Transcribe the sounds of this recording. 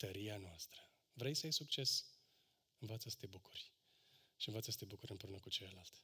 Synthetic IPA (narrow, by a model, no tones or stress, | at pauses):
t̪əɾianoast̪ɾə | vɾe̞jsəajsukt͡ʃe̞s | ɨnvat̪səst̪e̞bukurʲ | ʃiɨnvat̪səst̪e̞bukuɾʲɨmpɾeunəkut͡ʃe̞ləlalt̪ʲ